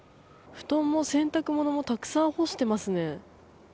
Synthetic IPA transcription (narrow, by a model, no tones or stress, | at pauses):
ɸɯ̟̥t̪õ̞mːosẽ̞nt̪akɯ̟mo̞no̞mo̞t̪akɯ̟̥sãɰ̃ho̞ɕi̥t̪e̞masɨne̞